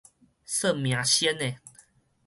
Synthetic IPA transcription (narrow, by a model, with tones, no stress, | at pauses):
sə˥˨mj̃ã˨ɕjɛ˦ne˨